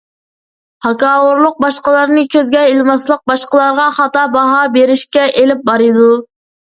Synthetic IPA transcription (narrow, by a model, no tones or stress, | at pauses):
hɑkɑːwuɾlˠʊq̚bɑʃqəlˠɑɾnɨkʲʰøzɡʲɛelmɑslˠəq̚bɑʃqəlˠɑɾʁɑχɑt̪ɑːbɑɦɑbeɾɪʃkʲɛʔelɪp̚bɑɾɨd̪u